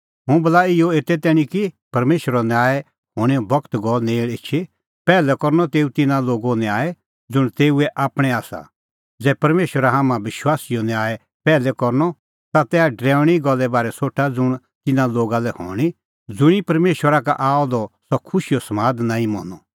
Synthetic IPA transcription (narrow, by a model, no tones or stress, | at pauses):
ɦʊ̃bɐlaːɪjɔeːt̪ɛt̪ɛːɽ̃ĩkipɐɾmeːʃwəɾɔnɛaːɛ | ɦoːɽ̃ɛɔbɐkt̪ɡɔlneːɭetːt͡ʃʰe | pɛːlɛkɔɾnɔt̪eːut̪ɪnãloːɡonaːɛ | d͡zʊɽ̃t̪eːuɛʔaːpɽ̃ɛ̃aːsa̰ | d͡zɛːpɐɾmeːʃwəɾaɦaːmãbɪʃwaːsijɔnɛaːɛ | pɛːlɛkɔɾnɔ | t̪at̪ɛːaɖɾɛ̃ːʊ̃iiɡɔlːɛbaːɾɛsoːʈʰad͡zʊɽ̃ | t̪ɪnãloːɡalɛho̰ːɽ̃i | d͡zʊɽ̃ipɐɾmeːʃwəɾaka̰ʔaːɔd̪ɔsɔkʰʊʃijosɐmaːd̪nãːĩmɔ̰ːnɔ